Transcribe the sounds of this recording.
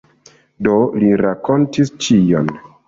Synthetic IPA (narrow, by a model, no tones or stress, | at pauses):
do̞liɾako̞ntist͡ʃijo̰n